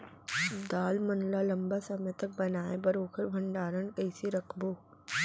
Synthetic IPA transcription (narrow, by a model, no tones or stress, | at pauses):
d̪aːlmɐnlalɐ̃mbasɐmẽt̪ək̚bɐnaːẽbɐɾoːkʰəɾbʱɐ̃ɳɖaːɾənkɐɪsiɾɐkʰboː